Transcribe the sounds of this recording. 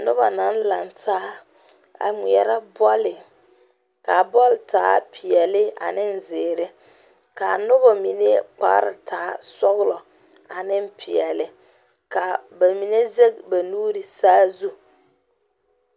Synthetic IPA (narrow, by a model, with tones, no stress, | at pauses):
nʊ˦ba˨na˨˦n˦la˨ntʰaː˦ | a̰˨mi˨ɛ˨ɾa˦bɔ˦lɪ˨ | ka˨bɔ˦ltaː˨˦pʰɪ˨ɛ˨lɪ˦a̰˨nɪ˦n˦zɪː˨ɾɪ˦ | ka˨nʊ˦ba˨mi˨ne˦k͡pa̰˦ɾɪ̰˨tʰaː˨˦sɔ˦ɣlɔ˨ | a˨nɪ˦m˦pʰɪ˨ɛ˨lɪ˦ | ka˨ba˨mi˨ne˦ze˦k̚ba˨nuː˦ɾɪ˨saː˦zu˦